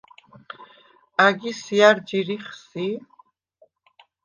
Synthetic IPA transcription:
aɡisiaɾd͡ʒiɾiχsi

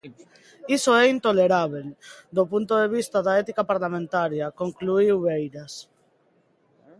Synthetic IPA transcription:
isoɛint̪oleɾaβ̞eld̪opunt̪oðeβ̞ist̪aðaet̪ikapaɾlamẽnt̪aɾjakoŋkluiwβejɾas

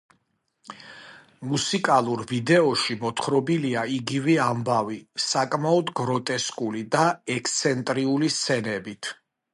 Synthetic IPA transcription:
musikʼalˠuɾvid̪ɛɔʃimɔt̪ʰχɾɔbiliaiɡivɛambavisakʼmaɔd̪ɡɾɔt̪ʼɛskʼulid̪aɛkʰt̪sʰɛnt̪ʼɾiulist̪sʰɛnɛbit̪ʰ

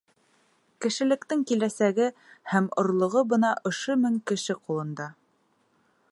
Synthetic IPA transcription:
kɘ̆ʃɘ̆lɘ̆kt̪ɘŋkilæsæɡɘhæmŏ̰ɾlˠŏʁɤbɤ̆nɑʔŏʃomɘŋkɘ̆ʃɘqulˠɤ̆nd̪ɑ

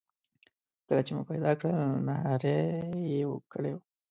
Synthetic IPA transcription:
kəlat͡ʃemṵpajd̪ɑkɽənaɦɑɾejewə̰kəɽew

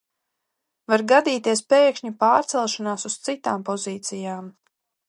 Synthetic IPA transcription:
vaɾɡad̪iːt̪iɛspɛːkʃɲipaːɾt̪sɛlˠʃanaːsust̪sit̪aːmpɔziːt̪sijaːm

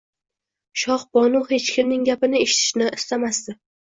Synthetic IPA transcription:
ʃɒχbɒnuhe̞t͡ʃkʲʰɪmnɪŋɡʲapɪnɪeʃɪ̥t̪ʰɪ̥ʃnɪʔɪst̪amasd̪ɪ

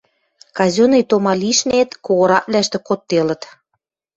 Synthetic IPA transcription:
kɑzʲonejt̪omɑliʃnet̪koɣɤ̆ɾɑʔlæʃt̪ĕkot̪ːelə̆t̪

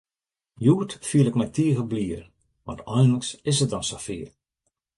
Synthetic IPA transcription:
juətfiəlɪkmɛtiəɣəbliːər | ʋɑ̰ntʰɔjnləksɪsətɔnsafḭər

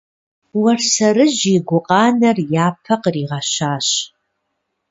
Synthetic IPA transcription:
wɐrsɐɾɨʑiɡʷʊqʼɑːnɐrjaːpʰɐqriːʁɑɕaːɕ

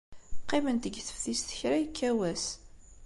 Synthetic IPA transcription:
qːimənt̪əɡθə̥fθisθə̥çɾæjəkːæwæs

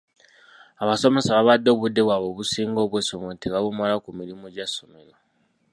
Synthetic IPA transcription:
aβaso̞me̞saβaβadːo̞ːβudːe̞βwaβo̞ːβusiːŋɡo̞ːβwesomentiβaβumalakumiɾimuɟasome̞ɾo

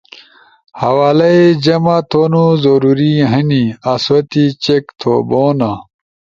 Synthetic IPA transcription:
hɐwaːlɐed͡ʑɐmat̪ʰoːnuzoɾuɾiɦɐniɐswɐt̪it͡ɕekt̪ʰo̰ːboːna

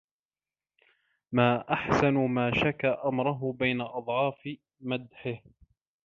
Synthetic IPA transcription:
maːʔaħsanʊmaːʃakaʔamɾˤʊɦʊbajnaʔɑd̪ˤʕɑːfɪ | mad̪ħɪh

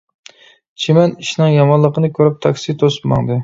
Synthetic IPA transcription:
t͡ʃʰemɛniʃnɨŋjɑmɑnlˠəqənɨkʲʰøɾyp̚t̪ʰɑkʲsit̪ʰosɨ̥pmɑ̰ŋd̪ɨ

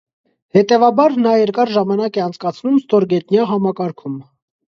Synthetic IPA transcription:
hɛt̪ɛvɑbɑɾnɑjɛɾkɑɾʒɑmɑnɑkɛɑnt͡sʰkɑt͡sʰnumst̪ɔɾɡɛt̪njɑɦɑmɑkɑɾkʰum

